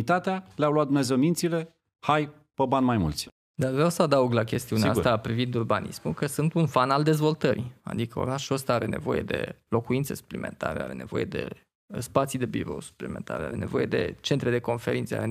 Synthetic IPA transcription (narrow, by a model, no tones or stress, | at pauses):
it̪at̪ealeawlwat̪̚d̪umnʲazewmint̪sile̞ | haj | pəbanmajmṵlt̪sʲ | d̪arvɾawsəad̪auɡlakʲe̞st̪iuneat̪apɾivind̪urbanʔḭsmukəsɨnt̪unfanald̪ezvo̞lt̪əɾia̰d̪ikəo̞̰ɾaʃuəst̪aaɾe̞ne̞̰vo̞̰je̞̰d̪e̞̰lo̞kuint̪sesu̥plimḛnt̪a̰ɾea̰ɾe̞̰ne̞vo̞̰je̞d̪e̞̰ | spat̪sid̪e̞bḭɾo̞̰wsu̥plimḛ̃nt̪ʰa̰ɾea̰ɾene̞vo̞je̞d̪e̞̰t͡ʃe̞nt̪ɾe̞d̪e̞ko̞nfe̞ɾʔint̪sea̰ɾe